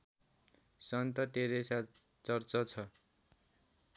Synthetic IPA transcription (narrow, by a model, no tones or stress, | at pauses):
sʌnt̪ʌt̪eɾesa | t͡sʌrt͡sʌt͡sʰʌ